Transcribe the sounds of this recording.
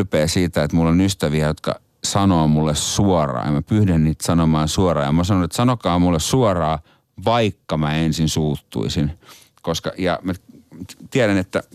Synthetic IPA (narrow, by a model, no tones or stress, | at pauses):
peːsiːt̪æet̪mulːonyst̪æʋiæjot̪kɑ̰ | sɑnoːmulːessuɔrɑ̰ːḛmæpyhdænniːt̪sɑnomɑːnsuɔrɑːjɑmɑsɑnonet̪sɑnokɑːmulːessuɔrɑː | ʋɑikːɑmæensinsuːt̪ːṵisin | koskɑ̰jɑ̰mæ | t̪iæɾænet̪ːæ